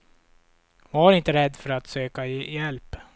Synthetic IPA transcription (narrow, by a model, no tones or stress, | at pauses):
aaɾɪnt̪əɾɛd̪ːfœɾat̪søːkajɛlp